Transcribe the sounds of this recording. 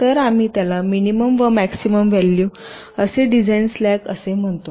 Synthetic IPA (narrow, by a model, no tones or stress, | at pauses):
t̪əɾam̤iːt̪jalaminiməmʋəmæksiməmʋɛlːju | əseɖid͡zainslækəsem̤əɳt̪o